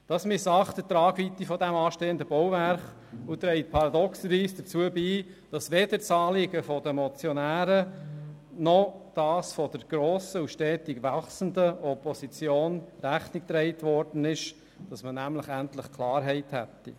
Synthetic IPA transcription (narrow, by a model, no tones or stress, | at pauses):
d̥ɑsmɪsɑχt̪ətɾɑːɡvit̪ifɔdɛmɑːʃteːəndəbɔwvæɾχ | ut̪ɾɛɪt̚pʰɑɾɑdɔksəɾviːsd̥əɾt͡suəbiː | d̥ɑsʋed̥ət͡sɑːlɪɡəfɔdəmɔt͡sjɔnæːɾə | nɔd̥ɑːsfɔd̥əɾɡ̥ɾoːsəuʃtɛːtiɡʋɑχsn̩dəɔpɔsit͡sjoːnɾæχnik̚t̪ɾɛɪtʋɔrd̥ən̩ɪʃ | d̥ɑsmənæmləχæntləχkʰlɑːɾɦɛɪthɛ̰tːḭ